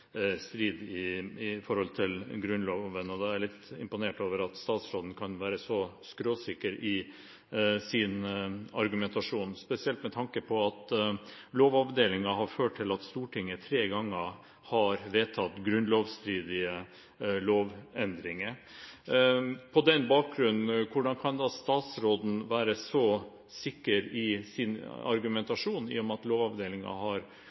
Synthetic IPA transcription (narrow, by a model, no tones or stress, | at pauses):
st̪ɾiːd̪ɪɪfɔɾhɔlt̪ʰɪlɡɾʉnloːʋənɔd̪ɛæɭɪt̪ːɪ̰mpʊneːʈoːʋəɾɑt̪st̪ɑːt̪sɾoːd̪n̩kʰɑnʋæːɾəsɔskɾoːsɪkəɾɪ | sɪnɑɾɡʉmɛnt̪ɑʂuːnspɛsɪɛlt̪mɛt̪ʰɑŋkəpʰɔɑt̪ | loːʋɑʋd̪eːlɪŋɑɦɑɾføːʈ̚ʰːɪlɑt̪st̪uːʈʰɪŋːət̪ʰɾeːɡɑŋːə | hɑɾʋeːt̪ʰɑt̪ɡɾʉnloːʋst̪ɾiːd̪ɪə | loːʋɛnd̪ɾɪŋə | pʰɔd̪ɛnbɑːk̚ɡɾʉnn̩kʰʊɖɑnkʰɑnd̪ɑst̪ɑːt̪sɾoːd̪n̩ʋæːɾəsɔ | sɪkːəɾɪsɪnɑ̰ɾɡʉmɛnt̪ɑʂuːnḭːɔmɑt̪loːʋɑʋd̪eːlɪŋɑ̰hɑɾ